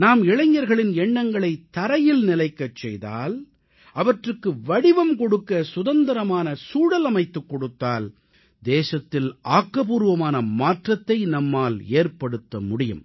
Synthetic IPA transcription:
naːmɪɭɐɲːɐɾɣɐɭɪnɛɳːɐŋɡɐɭɐɪt̪ːɐɾɐjɪlnɪlɐɪkːɐt͡ʃːɛ̰jða̰ːl | ʔɐʋɐʈrɯkːɯʋɐɽɪʋɐmkɔɽɯkːɐsʊðɐnd̪ɐɾɐmaːnɐsuːɽɐlɐmɐɪt̪ːɯkːɔɽɯt̪ːaːl | d̪eːsɐt̪ːɪlʔaːkːɐpuːɾʋɐmaːnɐmaːʈrɐt̪ːɐɪnɐmːaːleːrpɐɽɯt̪ːɐmʊɽɪjɯ̰m

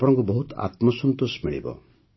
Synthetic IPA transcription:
apɔɔŋkubɔɦut̪a̰t̪mɔsɔnt̪osmiɭḭbɔ̰

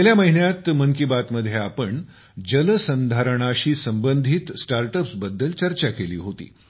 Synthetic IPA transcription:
eljaməɦinjat̪məŋkibat̪məd̪ʱːjeapəɳ | d͡ʑələsənd̪ʱaɾəɳ̃aɕiːsəmbənd̪ʱit̪sʈaɾʈəpsbəd̪ːəlt͡ɕəɾt͡ɕakelḭːɦot̪ḭː

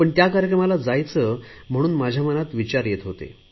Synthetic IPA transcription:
pəɳt̪jakaɾjəkɾəmalad͡zajt͡səːm̤əɽ̃uːnmad͡ʑʱamənat̪ʋit͡ɕaɾjet̪ɦot̪ḛ

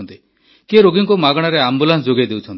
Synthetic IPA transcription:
nt̪i | keɾoɡiŋkumaɡɽ̃aɾeambulans̬d͡ʒoɡed̪ewt͡ʃʰɔnt̪i

